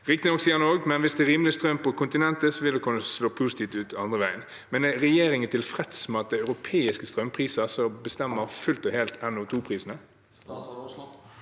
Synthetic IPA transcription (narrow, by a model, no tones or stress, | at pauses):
ʁɪk̚t̪ɪnɔksiːənoːɡmɛnʋɪsd̪ɛːɾiːmlɪəst̪ɾœmpʰɔkʊnt̪ɪnɛnt̪əsɔʋɪld̪ɛkʰʉnːəsloːpʰuːsɪt̪ʰiːft̪ʉːt̪ɑnd̪ʁəʋæɪən | mɛnɛɾɛjeːɾɪŋənt̪ʰɪlfɾɛt̪smɛɑt̪̚d̪æɪœʉɾʊpʰeːɪskəst̪ɾœmpʰʁiːsəsɔbəst̪ɛmːəɾfʉlt̪ɔheːlt̪ɛnːʊːt̪ʰuːpʰʁiːsənə